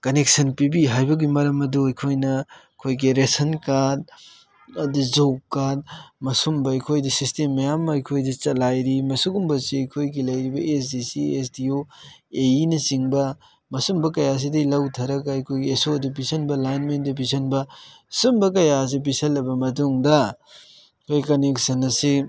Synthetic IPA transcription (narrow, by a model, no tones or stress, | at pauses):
kɐnek̚sɐnpibiɦajbɐɡimɐɾɐmɐduɐjkʰojnɐ | kʰojɡiɾesɐnkaɾd̚ | ɐduzokkːaɾd̚mɐsumbɐɐjkʰojdɐsistemːɐjamːɐɐjkʰojdɐt͡ʃɐlajɾimɐsuɡumbɐsiɐjkʰojɡilɐjɾibɐʔes̬disiesdio | einɐsiŋbɐ | mɐsumbɐkɐjas̬idɐjlɐwtʰɐɾɐkaɐjkʰojɡiesodubisɐnbɐlajnmendɐbisɐnbɐ | sumbɐk̬ɐjas̬ibisɐlːɐbɐmɐt̬uŋdɐ | kʰojkɐneksɐnɐsi